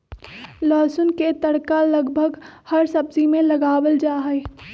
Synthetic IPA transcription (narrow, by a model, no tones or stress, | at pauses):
lɔːsʊnket̪ɐɽkalɐɡbʱəɡhɐɾsɐbzimẽlɐɡaːwəld͡ʒaːɦɛː